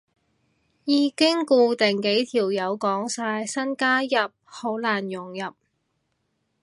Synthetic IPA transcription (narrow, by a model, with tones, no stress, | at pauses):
jiː˨˧kɪ˥ŋkuː˧t̪ɛ˨˩ŋke˨˥jt̪ʰiː˨˩wjɐ˨˧wkɔː˨˥ŋsaː˧jsɐ˥nkaː˥jɐ˨˩p̚ho˨˥wlaː˨˩njʊ˨˩ŋjɐ˨p̚